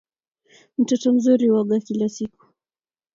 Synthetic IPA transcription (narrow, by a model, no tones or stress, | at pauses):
m̩tɔtɔm̩zuɾiwaɠakilasiku̥